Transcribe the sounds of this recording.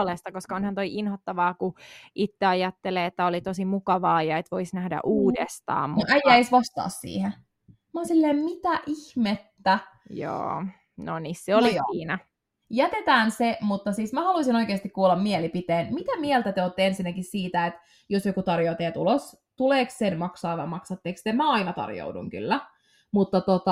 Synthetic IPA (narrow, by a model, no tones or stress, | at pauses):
lest̪ɑkoskɑonhɑnt̪oiʔinhot̪ːɑʋɑːkuʔit̪ːeɑjɑt̪ːeleːet̪ːæolit̪osimukɑʋɑːjɑet̪ʋoisnæhdæ̰ʔuːdḛst̪ɑ̰ːmmuuʔæjːæisʋɑst̪ɑ̰ːssḭːhe | mæonsilːeːmmit̪æʔihmet̪ːæ | jo̰ː | nonisːeoliiːnæ | jæt̪et̪æːnsemut̪ːɑsiːsmæhɑluisino̞ikeːst̪ikkuːlːɑmmielipit̪eːnmit̪æmielt̪æt̪eoːt̪ːeensinːækissiːt̪æet̪ | josjokut̪ɑrjoːt̪eæt̪ulos | t̪uleːkssenmɑksɑːʋɑmɑksɑt̪ːeːkst̪emæɑinɑt̪ɑ̰rjo̰udṵŋky̰lːæ | mut̪ːɑt̪ot̪ɑ